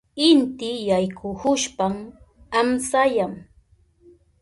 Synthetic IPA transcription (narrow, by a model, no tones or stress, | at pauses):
ɪnt̪ɪjajkʰʊhʊʃpam | amsajam